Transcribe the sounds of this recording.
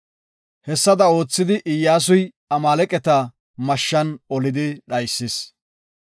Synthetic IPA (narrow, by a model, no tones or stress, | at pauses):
hɛsːɐd̪ɐo̞ːt͡sːɪd̪ɪʔɪjːaːs̬ʊj | ɐmaːlɛkʼɛt̪ɐ | mɐʃːɐnɔlɪd̪ɪɗɐjsːɪs